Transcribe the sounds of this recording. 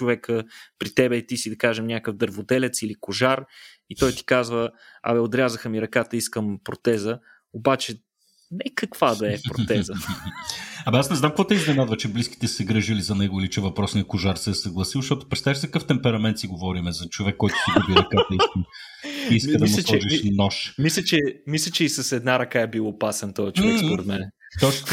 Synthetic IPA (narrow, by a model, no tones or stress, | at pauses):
t͡ʃovɛkəpɾit̪ɛbɛt̪isid̪ɐkaʒɛmnʲakəvd̪əɾvod̪ɛlɛt̪silikʊʒaɾ | it̪ɔjt̪i̥kazvəɐ̰mɛod̪ɾʲazəxəmiɾɐkat̪əiskəmpɾot̪ɛzə | obat͡ʃɛ | nɛkɐkvad̪ɐɛpɾo̰t̪ɛzə | ɐmɐasnɛznamkvɔt̪ɛiznɛnad̪vɐt͡ʃɛbliski̥t̪ɛsɛɡɾəʒilizɐnɛɡʊilit͡ʃɛvɐpɾɔsniɐkʊʒaɾsɛːsɐɡlˠɐsilˠʃt̪ɔt̪ʊ̥pɾɛt̪st̪aviʃsɛkɐkəft̪ɛmpɛɾɐmɛnt̪siɡovɔɾimɛzɐt͡ʃovɛkːɔjt̪ʊ̥siɡubiɾɐkat̪ɐiskəm | iiskəd̪ɐislʲt͡ʃˠɛʒiʃnnɔʃmislʲɛt͡ʃɛmis̬lʲɛt͡ʃɛisɐsɛd̪naɾɐkaɛbilˠopasɛnt̪ɔɛt͡ʃoɛpoɾɛt̪mɛnɛ | t̪ɔt͡ʃ̪